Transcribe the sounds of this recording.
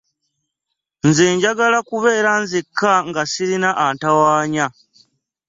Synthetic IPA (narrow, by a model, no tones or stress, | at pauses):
nzeːɲɟaɡalakuβe̞ːɾanzikːaŋɡasiɾinaʔantawaːɲa